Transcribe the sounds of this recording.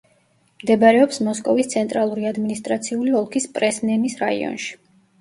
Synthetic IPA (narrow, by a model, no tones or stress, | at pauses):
md̪ɛbɾɛɔpsmɔskʼɔvist̪sʰɛnt̪ʼɾalˠuɾiad̪minist̪ʼɾat̪sʰiuliɔlˠkʰispʼɾɛsnɛmisɾaḭɔ̰nʃi̥